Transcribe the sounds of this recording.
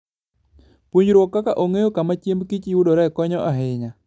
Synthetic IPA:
puɲɾwɔkːakaʔoŋejokamat͡ʃjemkit͡ʃiwudoɾɛkɔɲɔʔaɦɪɲa

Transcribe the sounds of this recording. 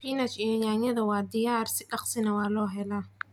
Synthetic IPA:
finɐt͡ʃiːjɔjaːɲɐðɐwɑːd̪ɪjaːrsɪɖɑqsɪnɐwɑːlɔːɦɛlaː

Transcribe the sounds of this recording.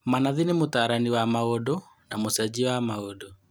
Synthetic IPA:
manaðinemotaːɾaniwamaɔdɔ | namosad͡ʑiwamaɔdɔ

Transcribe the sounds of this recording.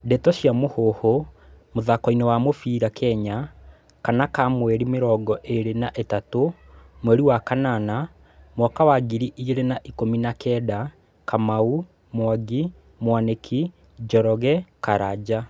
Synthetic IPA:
dɛtɔɕjamohoho | moðakɔinɛwamofiːɾakʰɛɲa | kanakamwɛɾimeɾɔːɡɔʔeɾenaʔetato | mwɛɾiwakanana | mwɔkawaɡiɾiʔiɣeɾenaʔikominakɛda | kamau | mwaɡi | mwanekʰi | d͡ʒɔɾɔɣɛkaɾad͡ʑa

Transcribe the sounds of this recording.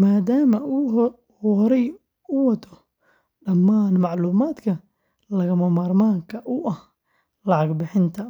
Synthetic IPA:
maːd̪aːmɐ | hɔɾɛj | ʊwɐt̪ʰɔ | ɖɐmːaːnmɑʕluːmaːd̪kʰɐ | lɐɣɐmɐmɐrmaːŋkʰɐʔʊʔɐh | lɑʕɑɡbɪħɪnt̪ʰɐ

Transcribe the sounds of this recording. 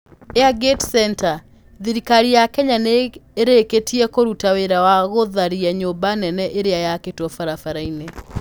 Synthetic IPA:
eaɡetsɛnta | ðiɾikaɾijakɛɲaneeɾeketiɛkoɾutaweɾawaɣoðaɾiɛɲobanɛnɛʔeɾeajaketwɔfaɾafaɾaine

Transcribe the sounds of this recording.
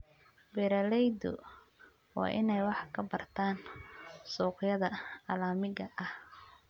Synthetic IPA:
bɛɾɐlɛjd̪ʊ̰ | wɑ̰ːʔɪnɛjwɑħkʰɐbɐrt̪ʰaːnsɔːqjɐðɐɐlaːmɪɣɐʔɐh

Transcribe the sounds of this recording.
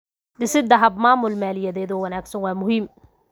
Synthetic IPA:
d̪ɪsɪd̪ɐɦɐb̚maːmʊlmaːlɪjɐðɛːðɔːwɐnaːɡsɐnwɑːmʊɦiːm

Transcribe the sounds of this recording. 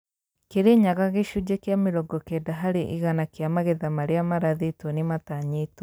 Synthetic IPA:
keɾeɲaɣaɣeʃud͡ʒekjameɾɔɡɔkedaɦaɾeʔḭɣanakjamaɣeðamaɾeamaɾaðetonemataɲeto

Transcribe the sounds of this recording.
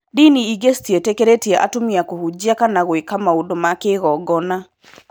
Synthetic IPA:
diniiɡestietekeɾetiɛʔa̰tomiakohud͡ʑiakanaɣwekamaodomakeɣɔɡɔna

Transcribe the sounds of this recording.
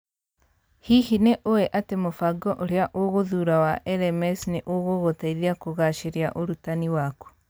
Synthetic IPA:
hihineʔoweʔatemofaɡɔʔoɾeaʔoɣoðuɾawaʔɛɾɛmɛsneʔoɣoɣotaiðiakoɣaʃeɾeaʔoɾutaniwaku̥

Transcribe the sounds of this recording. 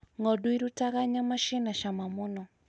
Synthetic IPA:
ŋɔduiɾutaɣaɲamaʃinaʃamamunɔ

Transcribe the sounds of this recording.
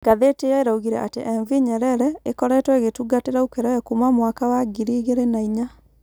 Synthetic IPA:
ɡaðetejaeɾauɣiɾɛʔa̰teʔɛɱviɲɛɾɛɾɛekɔɾɛtwɛɣetuɡateɾaukeɾɛɛkumamwakawaɡiɾiːɣeɾenaiɲa

